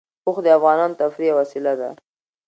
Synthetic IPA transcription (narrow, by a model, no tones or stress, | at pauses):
ʊxd̪əafɣɑnɑnot̪afɾijawasilad̪a